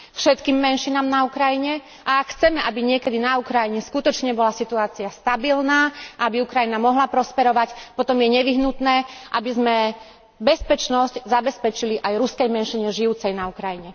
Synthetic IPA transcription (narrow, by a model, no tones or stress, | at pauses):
fʃɛt̪kiːmːɛnʃinamnaukɾajiɲɛ | ʔaakxt͡sɛmɛʔabiɲɪɛkɛd̪inaukɾajiɲɛskut̪ɔt͡ʃɲɛbɔlasit̪uaːt͡siast̪abilnaːaabiukɾajinamɔɦlapɾɔspɛɾɔʋacpɔt̪ɔmjɛɲɛʋiɦnut̪nɛːʔabizmɛ | bɛspɛt͡ʃnɔsczabɛspɛt͡ʃiliʔajɾuskɛjmɛnʃiɲɛʒiut͡sɛjnaukɾajiɲɛ